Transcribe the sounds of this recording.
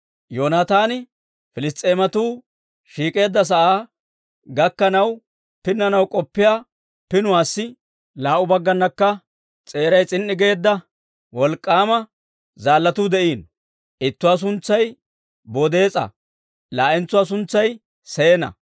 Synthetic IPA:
joːnaːt̪aːnɪ | fɪlɪst̪ʼːe̞ːmɐt̪uː | ʃiːkʼe̞ːd̪ːɐs̬ɐʔaː | ɡɐkːɐnɐw | pɪnːɐnɐwkʼɔpːɪjaː | pɪnʊwaːsːɪ | laːʔʊbɐɡːɐnːɐkːɐ | t͡sʼe̞ːɾɐjt͡sʼɪnːɪɡe̞ːd̪ːɐ | wɔlkʼːaːmɐ | zaːlːɐt̪uːd̪ɛʔiːn | ʔɪt̪ːʊwaːs̬ʊnt͡sːɐj | boːd̪e̞ːt͡sʼɐ̰ | laːʔɛnt͡sːʊwaːs̬ʊnt͡sːɐj | seːnɐ̰

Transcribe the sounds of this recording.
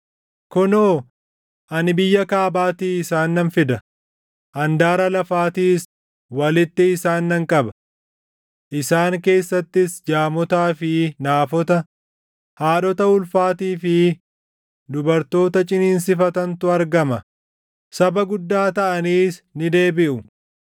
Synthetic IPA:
kʊnoː | ʔɐnɪbɪjːɐkaːbaːt̪iːɪsaːnːɐnfɪd̪ɐ | ʔɐnd̪aːɾɐlɐfaːt̪iːs | wɐlɪt̪ːɪːsaːnːɐŋkʼɐbɐ | ʔɪsaːŋke̞ːsːɐt̪ːɪsd͡ʒaːmɔt̪aːfɪnaːfɔt̪ɐ | haːᶑɔt̪ɐʊlfaːt̪iːfɪ | d̪ʊbɐɾt̪o̞ːt̪ɐt͡ʃʼɪniːns̬ɪfɐt̪ɐnt̪ʊɐɾɡɐmɐ | sɐbɐɡʊd̪ːaːt̪ɐʔɐniːsnɪd̪e̞ːbɪʔʊ

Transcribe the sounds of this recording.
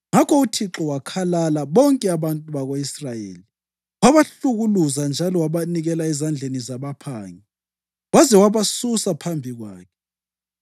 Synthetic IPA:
ŋakʰɔutʰiǁɔwakʰalalaβɔŋkʼɛaβantʼuβaɣoisrajḛːli | waβaɬuɣuluzand͡ʒʱalɔwaβaniɣɛlaɛzand͡ɮʱenizaβapʰaːŋi | wazɛwaβasusapʰambʱiɣwa̰ːkʰɛ̥

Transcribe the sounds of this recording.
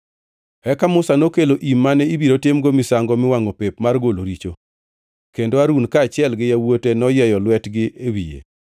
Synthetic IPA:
ɛkamʊsanokeloʔimːanɛibiɾotɪmɡomɪsaŋɡɔmɪwaŋopepmarɡoloɾit͡ʃo | kendoaɾunkaːt͡ʃɪɛlɡɪjawotenɔjɛjɔlwɛtɡɪʔewḭjḛ

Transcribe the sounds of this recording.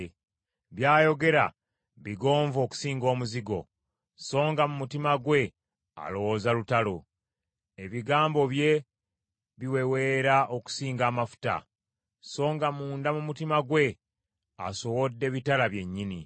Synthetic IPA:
βjaːjo̞ɡe̞ɾa̰ | βiɡo̞ːɱvo̞ːku̥siːŋɡo̞ːmuziɡo̞̰ | so̞ːŋɡamumutimaɡwe̞ | a̰lo̞wo̞zalutalo | e̞βiɡaːmbo̞βje̞ | βiwe̞we̞ːɾaʔoku̥siːŋɡaːmafu̥ta̰ | so̞ːŋɡamuːndamumutimaɡwe̞ | a̰so̞wo̞dːe̞βitalaβje̞ɲːini

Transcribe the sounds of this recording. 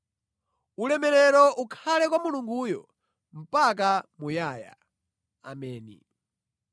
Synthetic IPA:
ulɛmɛɾɛɾɔʔukʰalɛk̬wamuluŋɡuːjɔ̰ | m̩pak̬amujaːja̰ | a̰mɛːnḭ

